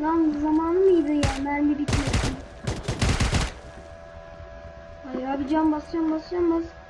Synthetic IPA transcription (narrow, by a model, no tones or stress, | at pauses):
d̪anzamaːnɯmɯjd̪ɯjamænbibit̪ʰiod̪im | ajabid͡ʒanbasˠjambasˠjambas